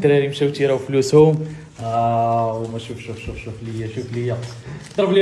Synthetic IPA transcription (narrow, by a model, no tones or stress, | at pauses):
t̪ɾæɾimʃæwt̪iɾæwflushʊm | wmæʃufʃufʃufʃufləjːæʃufləjæ | d̪ˤɾˤbli